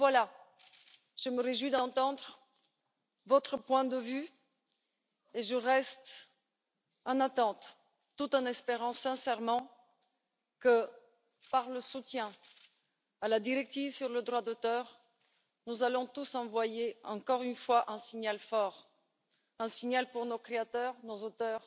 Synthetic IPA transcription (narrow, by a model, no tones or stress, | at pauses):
vwala | ʒ̥əməʁeʒwid̪ɑ̃t̪ɑ̃d̪ʁ | vɔt̪χəpwɛ̃d̪əvy | eʒəʁɛst̪ | ɑ̃nat̪ɑ̃t̪ː | ut̪ɑ̃nɛspeʁɑ̃sɛ̃sɛʁmɑ̃ | kə | paʁləsut̪jɛ̃ | alad̪iʁɛk̚t̪ivsyʁləd̪ʁwad̪ot̪œʁ | nuzalɔ̃t̪usɑ̃vwajeɑ̃kɔʁynfwaʔɛ̃siɲalfɔʁ | ɛ̃siɲalpuʁnokχeat̪œʁnozot̪œːʁ